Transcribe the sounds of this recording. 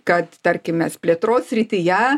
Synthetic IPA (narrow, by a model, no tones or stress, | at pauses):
kɐt̪t̪ɐɾʲkʲɪmʲɛspʲlʲeɛt̪ɾoːssʲɾʲɪt̪ʲɪjɛ